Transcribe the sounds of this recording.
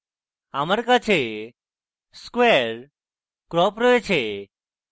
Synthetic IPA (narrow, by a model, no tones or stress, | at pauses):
aməɾkat͡ɕʰe | skweɾ | kɾɔpɾəet͡ɕʰe